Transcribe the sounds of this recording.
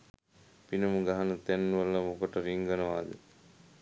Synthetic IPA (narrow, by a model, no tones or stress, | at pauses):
pinumuɡaɦɐnut̪ɛnːuʋɐlːɐmukɐʈəɾiŋɡɐnɐʋaːd̪ḛ